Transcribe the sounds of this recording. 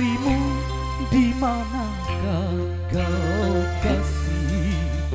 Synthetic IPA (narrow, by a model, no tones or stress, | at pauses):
imu | d̪imana | ɾa | ɡaokasi